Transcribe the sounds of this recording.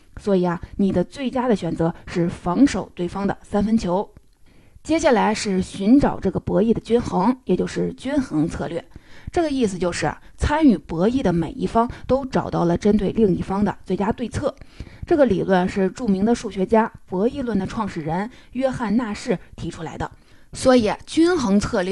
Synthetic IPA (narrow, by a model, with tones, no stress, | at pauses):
swɔ˧˥i˨˩ɐ˦ni˨˩d̪ə˦t͡swe˥˩ɪt͡ɕja˥d̪ə˨ɕɥɛ˨˩nt͡sɤ˧˥ʂɻ̩˥˩fɑ˧˥ŋʂo˨˩ʊt̪we˥˩ɪfɑ˥ŋd̪ə̰˨sa˥nfə˥nt͡ɕʰjo˧˥ʊ | t͡ɕjɛ˥ɕ̬ja˥˩la˧˥ɪʂɻ̩˥˩ɕy˧˥nʈ͡ʂɑ˨˩ʊʈ͡ʂɤ˥˩ɡə˩pwɤ˧˥i˥˩d̪ə˩t͡ɕy˥nxɤ˧˥ŋjɛ˨˩t͡ɕjo˥˧ʊʂɻ̩˥˩t͡ɕy˥nxɤ˧˥ŋt͡sʰɤ˥˧lɥɛ̰˥˩ʈ͡ʂɤ˥˩ɡə˩i˥˩s̬ɹ̩˩t͡ɕjo˥˧ʊʂɻ̩̰˥˩ | t͡sʰa˥ny˥˩pwɔ˧˥i˥˩d̪ə˩me˨˩ɪḭ˥˩fɑ˥ŋt̪o˥ʊʈ͡ʂɑ˨˩ʊt̪ɑ˥˩ʊlə˩ʈ͡ʂə˥nt̪we˥˧ɪli˥˧ŋi˥˩fɑ˥ŋd̪ə̰˨t͡swe˥˩ɪt͡ɕja˥t̪we˥˧ɪt͡sʰɤ˥˩ʈ͡ʂɤ˥˩ɡə˩li˨˩lwə˥˧nʂɻ̩˥˧ʈ͡ʂu˥˩mi˧˥ŋd̪ə˧ʂu˥˩ɕɥɛ˧˥t͡ɕja˥pwɔ˧˥i˥˧lwə˥˩nd̪ə˩ʈ͡ʂʰwɑ˥˧ŋʂɻ̩˥˩ɻə˧˥n | jɥɛ˥xa˥˧nna˥˧ʂɻ̩˥˩t̪ʰi˧˥ʈ͡ʂʰu˥la˧˥ɪd̪ə̰˧ | swɔ˧˥i˨˩˦t͡ɕy˥nxɤ˧˥ŋt͡sʰɤ˥˧lɥɛ˥˩